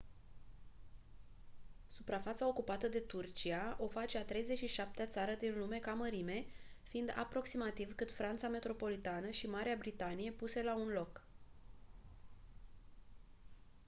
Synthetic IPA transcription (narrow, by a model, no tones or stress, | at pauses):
supɾafat̪sao̞kupat̪əd̪e̞t̪urt͡ʃiaʔo̞fat͡ʃeat̪ɾe̞jze̞t͡ʃʲʃiʃap̚t̪eat̪saɾəd̪inlume̞kaməɾime̞ | fiind̪a̰pɾo̞ksimat̪ivkɨt̪fɾant̪same̞t̪ɾo̞po̞lit̪anəʃimaɾeabɾit̪anije̞puse̞launlo̞k